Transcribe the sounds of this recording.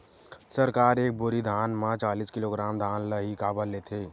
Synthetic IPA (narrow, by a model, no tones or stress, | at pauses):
səɾkaːɾeːk̚bʊɾid̪ʱaːnmãt͡ʃaːliskɪloɡɾaːmd̪ʱaːnləɦikaːbəlːeːt̪ʰeː